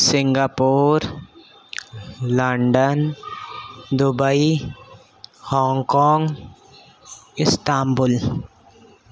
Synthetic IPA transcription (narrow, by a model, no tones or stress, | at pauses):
sɪ̃ŋɡaːpoːɾ | ləɳɖən | d̪ʊbəi | hɔ̃ːŋkɔːŋɡ | ɪst̪aːmbʊl